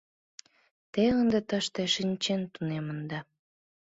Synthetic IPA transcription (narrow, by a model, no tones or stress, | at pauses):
t̪eənd̪et̪əʃt̪eʃinʲt͡ɕent̪unemənd̪ɑ